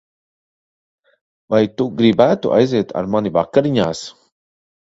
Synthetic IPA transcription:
vajt̪uɡɾibæːt̪uʔa̰jzeːt̪ʰa̰ɾmanivakːaɾiɲaːs

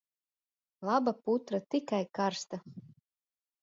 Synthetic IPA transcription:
lˠabaput̪ɾat̪ikajkaɾst̪a

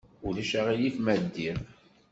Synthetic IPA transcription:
ʊlæʃaʁijifmæd̪ːiɾ

